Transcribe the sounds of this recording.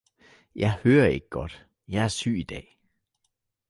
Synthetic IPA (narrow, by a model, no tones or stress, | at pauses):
jɑ̈ɪhøːɐe̝ɡ̥əɡ̥ɒ̽d̥ | jɑ̈ɪæɐsy̰ːid̥ɛ̰ː